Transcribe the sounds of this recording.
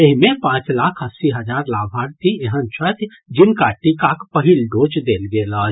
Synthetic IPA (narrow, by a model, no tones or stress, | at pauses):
eɦimepãt͡ʃlakʰəsiɦəd͡ʒaɾlabʱaɾt̪ieɦənt͡ʃʰət̪ | d͡ʒinkaʈikakpəɦilɖot͡ʃd̪elɡelət͡ʃʰ